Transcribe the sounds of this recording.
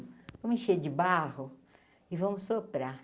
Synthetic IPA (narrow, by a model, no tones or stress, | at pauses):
vɐ̃mʊẽʃed͡ʒɪbahʊ | ɪvɐ̃mʊsopɾa